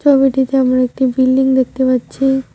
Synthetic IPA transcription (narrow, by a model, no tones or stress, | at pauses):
ɔbiʈit̪eamɾaek̚ʈibilːiŋɡd̪ek̚t̪eʋət̪ːt͡ʃʰi